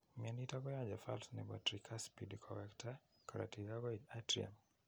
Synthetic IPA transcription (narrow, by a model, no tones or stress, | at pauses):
mianitabɔjad͡ʒafa̰lsnɛbatɾikʰaspidkʰɔwɛktʰa | kɔɾa̰tizaɡɔiatɾia̰m